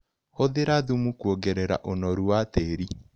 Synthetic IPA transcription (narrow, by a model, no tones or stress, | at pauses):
hoðeɾaðumukwoɡɛɾɛɾa̰ʔonɔɾuwateɾi